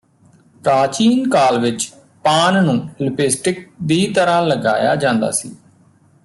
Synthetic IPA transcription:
pɾaːt͡ʃiːnkaːlʋɪt͡ʃ | paːnnũːlʊpɪsʈɪk̚d̪iːt̪əɾãːləɡa̰ːja̰ːd͡ʒãːnd̪a̰ːsḭː

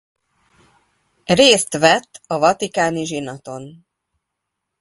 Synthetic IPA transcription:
reːst̪ʋɛt̪ːɒvɒt̪ikaːniʒinɒt̪o̞n

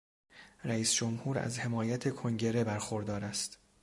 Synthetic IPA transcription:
ɾæiːsd͡ʒomhuːɾæ̰zhe̞mɒːjæt̪ʰe̞kʰoŋɟe̞ɾe̞bæɾxo̞ɾd̪ɒːɾæst̪

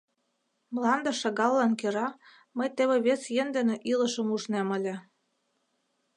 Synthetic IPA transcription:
mlɑnd̪ə̆ʃɑɣɑlːɑnkeɾɑ | məjt̪eβĕβesjend̪ĕnĕʔilə̆ʃə̆muʒnemə̆lʲĕ

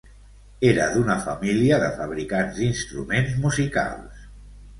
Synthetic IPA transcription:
eɾa̰ðunafamiliaðəfaβ̞ɾikanzd̪inst̪ɾṵmenzmuzika̰lˠs

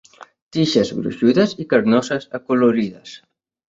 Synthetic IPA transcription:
t̪iʃəzɣɾṵʃuðəzikəɾnɔsəzəkuluɾiðə̰s

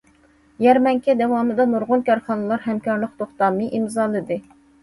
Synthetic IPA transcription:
jɛɾmɛŋkʲʰɛd̪ɛwɑmɨd̪ɑnoɾʁʊnkʲɑɾχɑnɨlˠɑɾɦɛmkʲɑɾləqt̪ʰoχt̪ɑmɨʔimzɑlˠɨd̪ɨ

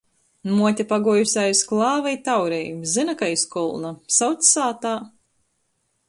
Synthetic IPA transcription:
muɔt̪ʲapaɡuɔjusʲajsklˠɑːvajt̪awɾɛjzinakaiskɔlˠnasawt̪sʲsaːt̪aː

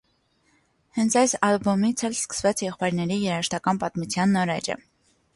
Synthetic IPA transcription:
hɛnt͡sʰɑjsɑlbɔmit͡sʰɛlskə̥svɑt͡sʰjɛχpɑjɾnɛɾijɛɾɑəʃt̪ɑkɑnpɑt̪mut͡sʰjɑnːɔɾɛ̰d͡ʒə̰

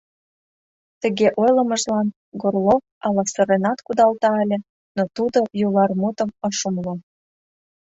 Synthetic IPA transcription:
t̪ə̆ɣeʔojlə̆mə̆ʒlɑn | ɡorlo | ɑlɑsə̆ɾenɑt̪kud̪ɑlt̪ɑə̆lʲĕ | not̪ud̪ojulɑrmut̪ə̆mɤʃumlo

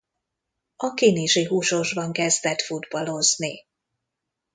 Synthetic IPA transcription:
ɒkiniʃiɦuːʃo̞ʒbɒŋkɛzd̪ɛt̪fud̪bɒlo̞zni

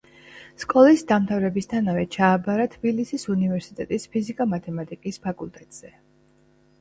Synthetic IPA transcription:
skʼɔlisd̪amt̪ʰavɾɛbist̪ʰanavɛt͡ʃʰaːbaɾat̪ʰb̥ilisisunivɛɾsit̪ʼɛt̪ʼispʰizikʼamat̪ʰɛmat̪ʼikʼispʰakʼulˠt̪ʼɛt̪ʼz̥ɛ

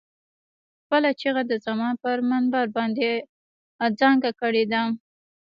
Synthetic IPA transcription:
xpəlat͡ʃeɣad̪əzamɑnpəɾmanbaɾbɑnd̪e | d͡zɑŋɡakəɽed̪a

